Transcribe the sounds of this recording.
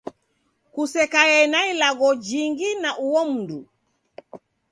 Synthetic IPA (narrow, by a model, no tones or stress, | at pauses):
kusɛkajɛnailaɣɔd͡ʒiŋɡinaʔuwɔm̩ndu